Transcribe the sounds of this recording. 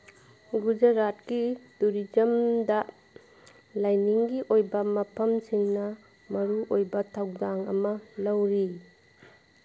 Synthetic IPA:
ɡud͡ʒɐɾat̚kiduɾid͡ʒɐmdɐ | lajniŋɡiʔojbɐmɐpʰɐmsiŋnɐ | mɐɾuʔojbɐtʰawdaŋɐ̰mɐlɐwɾi

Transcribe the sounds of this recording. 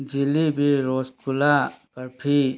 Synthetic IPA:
d͡ʒilibʱiɾoːskulapɐɾpʰi

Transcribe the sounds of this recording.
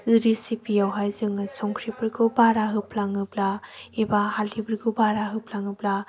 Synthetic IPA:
ɯɾisipʰijawɦajzɯŋɯsɔŋkʰɾibɯɾɡɯbaɾaɦɯplaŋɯplaebahalibɯɾɡɯbaɾaɦɯpʰlaŋɯpla

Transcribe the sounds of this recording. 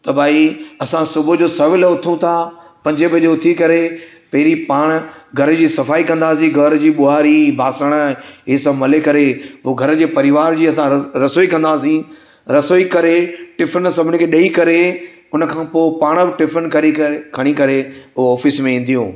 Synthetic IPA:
t̪ɐbʱaːiɐsãsʊbʱʊd͡ʑoːsɐɾʋɪlʊt̪ʰũt̪ʰaː | pɐ̃ɲd͡ʑəbʱɐd͡ʑeʊt̪ʰikɐɾe | pɐɦɪɾipaːɽ̃̆ɡʱɐɾd͡ʑiːsɐfaːikɐ̃nd̪aːs̬ĩɡʱɐɾd͡ʑiːɓʊaːɾibʱaːsəɽ̃əɦisɐbmɐlekɐɾepoɡʱɐɾə̆d͡ʑeːpɐɾɪʋaːɾd͡ʑiːɐs̬ãɾɐsoːikɐ̃nd̪aːsĩ | ɾɐsoːikɐɾeʈɪpʰənsɐbʱɪnɪkʰeɗɐikɐɾe | ʊnəkʰãːpoːpaːɽ̃bɪʈɪpʰənkɐekʰɐɽ̃ikɐɾeʊɦoɔːfɪsmẽĩːn̆d̪ijũː

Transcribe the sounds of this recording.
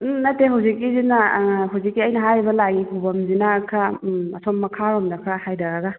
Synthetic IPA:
nɐteɦawzikːizinaɦawzikːiɐjnɐɦajɾibɐlaɡikʰubɐmzinakʰɾaɐ̰sʰɔmːɐkʰaɾɔmdɐkʰɾahajdaɾaɡa

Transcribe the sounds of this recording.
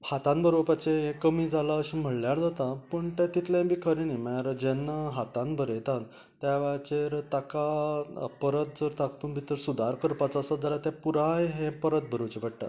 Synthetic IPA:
hat̪ãnbəɾoʋəpat͡ɕeɦẽkəmiːd͡zʱalaəɕĩm̤əɽljaɾd͡zat̪ãpəɳt̪ãt̪it̪lãbʱiːkʰəɾinəjməaɾd͡ʑenːaɦat̪ãnbəɾjet̪ãn | t̪jaʋat͡ɕeɾt̪aka | pəɾət̪̚d͡zəɾt̪akt̪uːnbʱit̪əɾsud̪ʱaɾkəɾpat͡saəsəd͡zʱalat̪japuɾajɦẽpəɾət̪̚bəɾot͡ɕebəɽʈa̰

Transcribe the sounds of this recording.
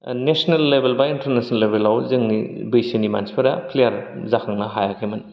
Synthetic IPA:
nesnelːebelbɐintɐɾnesnlebelawzɯŋnibɯjsenima̰nspʰɐɾapʰlejaɾzakʰaŋnaɦajakʰemɯn

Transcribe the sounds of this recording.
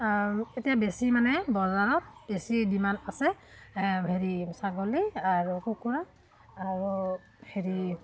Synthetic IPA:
etijabesimanɛbɔzaɹɔt̚besidimanasɛ | heɹisaɡɔliaɹukukuɹa | aɹu | heɹi

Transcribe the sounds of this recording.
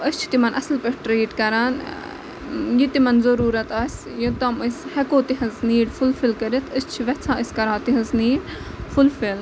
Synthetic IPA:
əst͡ʃʰi̥t̪imɐnʔɐslpɐʈʈɾeːʈkɐɾaːn | jit̪imɐnzɐɾuːɾɐt̪aːsʲ | jit̪ɐməsʲhɛkoːt̪iɦɐzniːɽfulfilkɐɾit̪ʰəst͡ʃʰiʋɛt͡sʰãːəsʲkɐɾãːt̪iɦɐzniːɽ | fulfil

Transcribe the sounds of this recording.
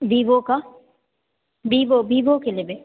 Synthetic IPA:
biːboka | biːbobiːbokelebe

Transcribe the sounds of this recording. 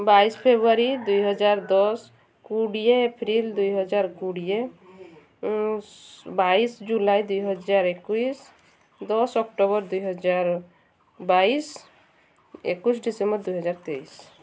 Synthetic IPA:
baispʰebuaɾid̪ujɦɔd͡ʒaɾd̪ɔs | kuɽijeepʰɾild̪ujɦɔd͡ʒaɾkuɽije | baisd͡ʒulajd̪ujɦɔd͡ʒaɾekuis | d̪ɔsɔkʈoβɔɾd̪ujɦɔd͡ʒaɾ | bais | ekusɖisembɔɾd̪ujɦɔd͡ʒaɾt̪ejs

